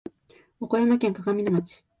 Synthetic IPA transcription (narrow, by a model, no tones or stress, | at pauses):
okojamakʲaŋkakaminamat͡si̥